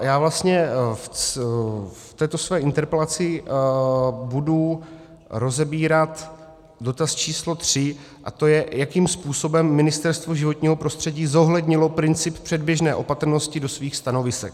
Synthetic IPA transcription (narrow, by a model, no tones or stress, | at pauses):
jaːvlast̪ɲɛf | ft̪ɛːt̪osvɛːʔɪnt̪ɛɾpɛlat͡sɪ | budu | ɾo̞zɛbiːɾat̪ | do̞t̪ast͡ʃiːslo̞t̪r̝̥ɪ | ʔa̰t̪o̞jɛjakiːmspuːso̞bɛmːɪnɪst̪ɛɾst̪voʒɪvo̞t̪ɲiːɦo̞pɾo̞st̪r̝̥ɛɟiːzo̞ɦlɛdɲɪlo̞pɾɪnt͡sɪppr̝̥ɛdbjɛʒnɛːʔo̞pat̪ɾ̩no̞scɪdo̞sviːxst̪ano̞vɪsɛk